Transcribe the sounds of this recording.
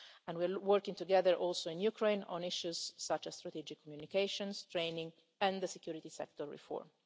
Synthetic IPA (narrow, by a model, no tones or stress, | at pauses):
ɛ̃nwiawəɾkĩŋt̪uɡɛðəɹʔɔlsoĩnjukʰɹẽjnɔ̰̃nɪʃuzsat͡ʃɛst̪ɾat̪id͡ʒɪkʰːɔmjunikeʃɔ̃nst̪ɾejnĩŋ | ɛ̃nd̪əsɛkjuɾit̪isɛ̰k̚t̪ɔɹɹḭfɔ̰ɹm